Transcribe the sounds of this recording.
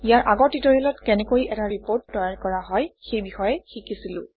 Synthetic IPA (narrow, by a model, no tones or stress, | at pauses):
ijaɹʔaɡɔɹtitɔɹiɔlɔtkɛnɛkojʔɛtaɹipoɹtːɔjaɹkɔɹaɦɔjxejbixɔjɛxikisilʊ̰̃